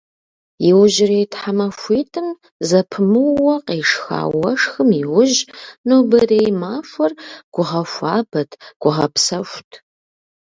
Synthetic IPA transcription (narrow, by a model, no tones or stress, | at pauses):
jɪwʊʒɪreːjtħamɐfʷiːtʰɨm | zɐpʰɨmɨwɐqeːʂxa̰ːwɐʂxɨmiwʊʒnuːbɐreːjmaːfʷɐrɡ̥ʷʊʁɐfʷaːbɐtʰɡ̥ʷʊʁɐpsɐʃʷtʰ